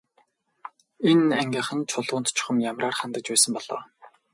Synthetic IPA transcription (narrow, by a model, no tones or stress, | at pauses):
enæŋɡʲiːχə̆nt͡ɕʰʊɮʊːnt̪t͡ɕʰʊ̥χə̆mjamraːrχant̪ə̆t͡ɕpæːsə̆mpɔɮ̥ɔ̰ː